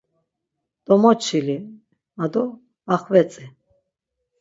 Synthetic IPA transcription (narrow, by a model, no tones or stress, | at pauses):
d̪̥ɔmɔt͡ʃʰili | ad̪ɔ | aχvɛt͡sʼi